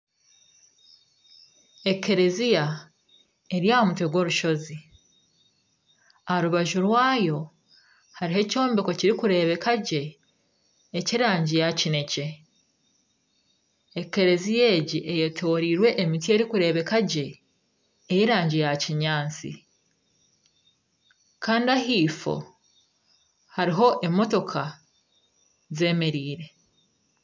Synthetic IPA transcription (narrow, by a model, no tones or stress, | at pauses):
e̞kːeɾe̞zija | e̞ɾijahomutweɡwo̞ːɾuʃo̞zi | aɾuβaʒuɾwaːjo̞ | haɾihe̞co̞ːmbiko̞ciɾikuɾe̞ːβe̞kaɟe̞ | ciɾaːɲɟijacine̞ce̞ | eke̞ɾe̞zije̞ːɟiʔejetʰo̞ɾiːɾwe̞ʔemitie̞ɾikuɾe̞βe̞kaɟe̞ː | jiɾaːɲɟejaciɲaːnt͡sḭ | kaːndiahiːfo̞̰ | haɾiɦo̞ʔemo̞to̞kʰa | ze̞ːme̞ɾiːɾe̞